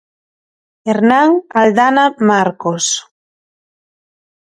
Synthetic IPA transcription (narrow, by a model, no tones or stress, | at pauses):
eɾnaŋald̪anamaɾkos